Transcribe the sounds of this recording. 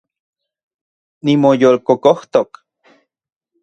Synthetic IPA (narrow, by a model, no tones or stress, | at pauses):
nimojoːlkokoht̪ok